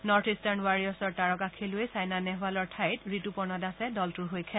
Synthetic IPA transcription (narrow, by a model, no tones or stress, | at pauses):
nɔɹtʰistanwaɹiɔsɔɹtaɹɔkakʰilʊejsajnanɛɦʊalɔɹtʰajtɹitupɔɹnɔdasɛdɔltʊɹɦojkʰɛ